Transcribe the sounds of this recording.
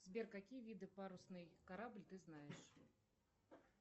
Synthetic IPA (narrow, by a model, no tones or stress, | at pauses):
zʲbʲɛrkakʲijvʲid̪ɨpaɾusnɨjkaɾablʲt̪ɨznajɛʂ